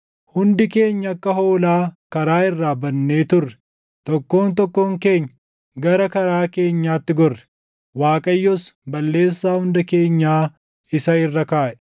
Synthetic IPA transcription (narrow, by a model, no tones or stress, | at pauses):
hʊnd̪ɪke̞ːɲːɐɐkːɐɦo̞ːlaːkɐɾaːɪrːaːbɐnːe̞ːt̪ʊrːɛ̥ | t̪ɔkːo̞ːnt̪ɔkːo̞ːŋke̞ːɲːɐ | ɡɐɾɐkɐɾaːke̞ːɲːaːt̪ːɪɡɔrːɛ̥ | waːkʼɐjːɔsbɐlːe̞ːsːaːhʊnd̪ɐke̞ːɲːaː | ɪsɐɪrːɐkaːʔɛ̥